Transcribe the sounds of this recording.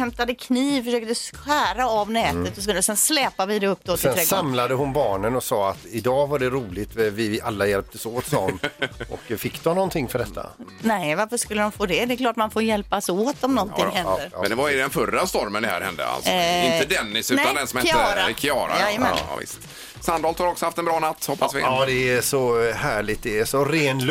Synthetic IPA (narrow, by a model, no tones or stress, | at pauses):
hɛmt̪ad̪əkʰniːvfœʂøːk̚t̪əɧæːɾaavnɛːt̪ət̪ɔsɔɔsɛnslɛːpavɪd̪ɛɵpːd̪oːsɛnsamlad̪əɦʊnbɑːɳənɔsɑːat̪ɪd̪ɑːvaɖɛɾuːlɪt̪vɪalːajɛlp̚t̪əsoːt̪sɔmːʔɔkfɪkːd̪ɔmnɔnt̪ʰɪŋːfœɖɛt̪ʰːa̰nɛvaɾfəʂkɵlːəɾɔmfoːd̪ɛd̪ɛɛkʰlɑːʈmanfoːɾjɛlpasoːt̪ɔmnɔnt̪ʰɪhɛəɾ̰ɛnd̪ɛvaɾd̪ɛnfœɾːast̪ɔɾmənd̪ɛhæ̰ɾhɛ̰nd̪ə̰a̰lsɔɪnt̪əd̪ɛnːɪsʉt̪and̪ɛnsɔmɛɾakʰɪɑːɾa̰əmɛ̰vɪ̰st̪ | sand̪ɑːlt̪haɾɔksɔhaft̪ɛnbɾɑːnat̪ːhɔpːasʋɪ̰ɑːd̪ɛæsɔhæːɭɪt̪̚d̪ɛːʂɔɾeːnl